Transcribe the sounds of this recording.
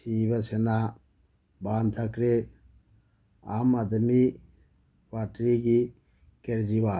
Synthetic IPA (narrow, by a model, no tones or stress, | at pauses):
iːbɐsena | baːnd̪ʰɐkɾe | aːmɐd̪mi | ʋaːʈɾiɡi | keɾd͡ʒiʋaː